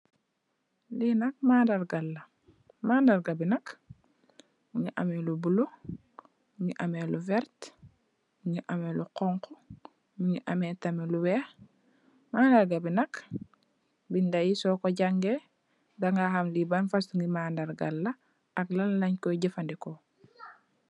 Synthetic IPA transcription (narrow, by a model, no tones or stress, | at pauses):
linɐk̚maːndaɾɡalːɐ | maːndaɾɡabinɐk | muɲiʔamelubulo | muɲiʔameluvɛɾt | muɲiʔameluqɔŋko | muɲiʔametamiluwɛːx | maːndaɾɡabinɐk | bindajisɔkoɟaŋɡe | daŋɡahamlibanfastuŋɡimaːndaɾɡa̰lːa | aklallaɲkɔɟifandiko